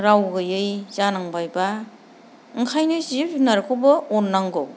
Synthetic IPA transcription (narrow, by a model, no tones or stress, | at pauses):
ɾawɡɯjɯjzanaŋbajba | ɯŋkʰajnɯzipnaɾkʰowbɐonːaŋɡo